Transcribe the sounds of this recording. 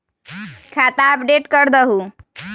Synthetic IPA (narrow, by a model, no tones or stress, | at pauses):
kʰat̪aəp̚ɖeʈkəɾd̪əɦu